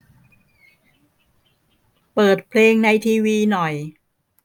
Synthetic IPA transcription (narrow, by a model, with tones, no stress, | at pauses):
pɤː˨˩t̪̚pʰleː˧ŋna˧jt̪ʰiː˧wiː˧nɔ˨˩j